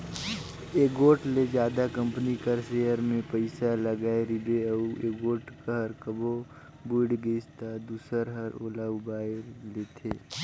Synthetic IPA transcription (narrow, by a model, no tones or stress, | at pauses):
eːɡoːʈled͡ʒjaːd̪akə̃mpənikəɾseːjəɾmẽpəɪsaləɡaːeɾɪbeɐueːɡoːʈkaɦəɾkəbo | bʊɖɡest̪ad̪uːsəɾɦəɾo̰ːlaʊbaːeɾleːt̪ʰeː